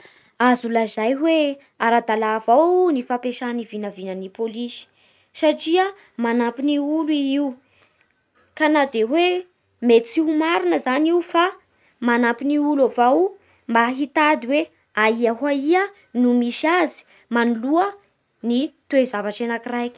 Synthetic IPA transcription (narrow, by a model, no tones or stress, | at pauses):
azulazajwe | aɾad̪alavawnifapeʃanivinavinənipolisi̥ | saʈ͡ʂiə | manapiniuluiiu | kanad̪ewe | met͡siumaɾinəzaniufa | manampiniulavaw | mbaɦit̪ad̪iwe | aiaɦaiə | numiʃiazi̥ | manuluə | nit̪uezavaʈ͡ʂenakirajki̥